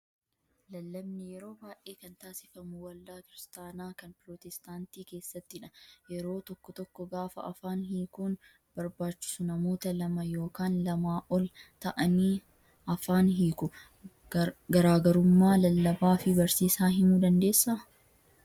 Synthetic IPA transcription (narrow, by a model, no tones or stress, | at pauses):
lɐlːɐbnɪjɛɾo̞ːbaːjʔeːkɐnt̪aːsɪfɐmʊwɐlːaːkɪɾɪst̪aːnaːkɐnpɾoːt̪ɛst̪aːnt̪iːke̞ːsːɐt̪ːɪᶑɐ̥jɛɾo̞ːt̪ɔkːɔt̪ɔkːɔɡaːfɐ̰ɐfaːnɦiːkuːn | b̥ɐɾbaːt͡ʃːɪ̥sʊnɐmo̞ːt̪ɐlɐmɐjo̞ːkaːnlɐmaːʔɔlt̪ɐʔɐniː | ɐfaːnɦiːkʊ | ɡɐɾaːɡɐɾʊmːaːlɐlːɐbaːfɪbɐɾsiːsaːɦɪnuːd̪ɐnd̪e̞ːsːɐ